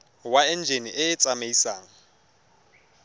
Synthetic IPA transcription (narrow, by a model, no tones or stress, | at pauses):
waɛn̩d͡ʒʱeniʔɪːt͡sʼameisaːŋ̩